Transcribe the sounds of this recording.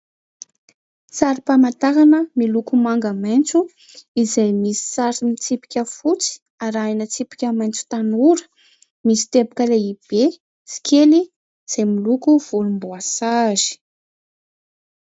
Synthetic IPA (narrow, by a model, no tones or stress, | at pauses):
t͡saɾipamat̪akanəmilukumaŋɡamajnt͡su | izajmisi̥saɾimit͡sipi̥kʲəfut͡si̥ | aɾajnət͡sipi̥kʲəmajnt͡su̥t̪anuɾə̥ | misi̥t̪ebukəleib̥e | si̥kʲʰeli | z̥ejmilukuv̥ulumbuasazi̥